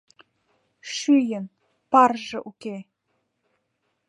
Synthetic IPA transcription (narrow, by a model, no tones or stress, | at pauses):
ʃyjən | pɑrʒɤ̆ʔuke